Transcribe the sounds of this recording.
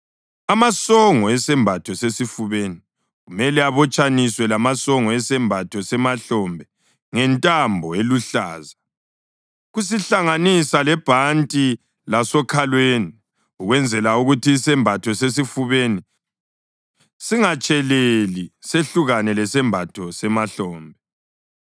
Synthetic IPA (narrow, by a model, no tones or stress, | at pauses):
amasɔŋɔɛsɛmbʱatʰɔsesifuβeːni | ɣumɛlɛaβɔt͡ʃʼaniswɛlamasɔŋɔɛsɛmbʱatʰɔsɛmaɬɔmbʱɛ | ŋɛntʼambʱɔeluɬa̰ːza | ɣus̬iɬaŋanisalɛb̥ʱantʼi | lasɔkʰalweːni | uɣwɛnd͡zʱɛlauɣutʰiːsɛmbʱatʰɔsesifuβeni | siŋat͡ʃʼɛleliseɬuɣanɛlɛsɛmbʱatʰɔsɛmaɬɔːmbʱɛ